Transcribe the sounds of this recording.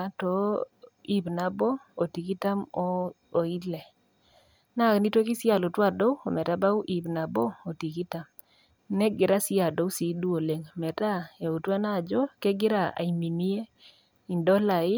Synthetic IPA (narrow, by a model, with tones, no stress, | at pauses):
a˦tɔ˨ | i˦bna˨bɔ˦o˨ti˨ki˦ta˦mɔ˦ | o˨i˦lɛ˨ | na˦˨kni˦to˦kɪ˦sja˨lo˨twa˦do˦o˨mɛ˨ta˦ba˦u˦ʔi˨bna˨bɔ˦o˨ti˨ki˦ta˨m | nɛ˦ɡɪ˨ɾa˦sɪ˦a˨do˨u˦si˨du˦o˨le˨ŋmɛ˨ta˦e˨u˨twa˦na˦˨d͡ʒɔ˦ke˦ɡɪ˦ɾa˨a̰˨i˨mi˨ni˦e˦ | i˨ndɔ˦la˨ɪ˦